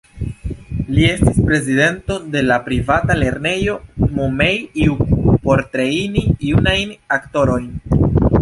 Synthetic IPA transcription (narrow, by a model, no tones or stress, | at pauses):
lie̞stispɾe̞zide̞nto̞de̞lapɾivatale̞ɾne̞jo̞momejiupo̞ɾtɾeiniiunajnakto̞ɾo̞jn